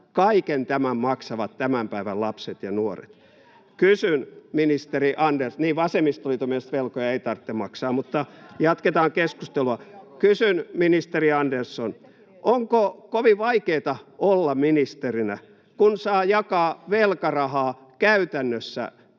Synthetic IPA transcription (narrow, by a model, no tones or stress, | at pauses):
kɑikent̪æmæmmɑksɑʋɑt̪t̪æmæmpæiʋælɑpset̪jɑnuorḛt̪ | kysynminist̪eriʔɑndersniːʋɑsemist̪olit̪omest̪ʋelkojɑeit̪ɑrt̪ːemɑksɑːmmut̪ːɑjɑt̪ket̪ɑːŋkeskust̪eluɑkysynminist̪eriɑndersːon | ʔoŋkokoʋiʋɑikeːt̪ɑolːɑminist̪erinæ | kunsɑːjɑkɑːʋelkɑrɑhɑː | kæyt̪ænːøsːæ̰